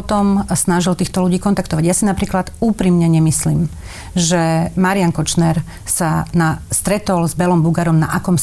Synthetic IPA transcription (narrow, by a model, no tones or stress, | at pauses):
t̪ɔmsnaʒilt̪iːxt̪ɔluɟiːkɔnt̪akt̪ɔʋaɟjasinapɾiːklad̪uːpɾiːmɲɛɲɛmislim | ʒɛmaɾiaŋkɔt͡ʃnɛɾ | sanast̪ɾɛt̪ɔlzbɛlɔmbuɡaɾɔmnaʔakɔms